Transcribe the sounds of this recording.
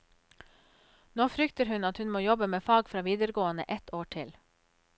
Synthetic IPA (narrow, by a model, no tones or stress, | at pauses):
noːfɾʏkt̪əɾhʉnɑt̪hʉnmoːjɔbəmeːfɑːɡfɾɑːʋiːd̪əɾɡoːənə̰ʔɛt̪ʰoːʈʰɪl